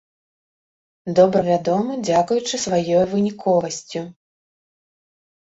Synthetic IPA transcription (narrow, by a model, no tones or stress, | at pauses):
d̪ɔbɾɐvʲad̪ɔmɨd͡zʲakujut͡ʂɨsvajɔjvɨnʲikʰɔvɐsʲt͡sʲu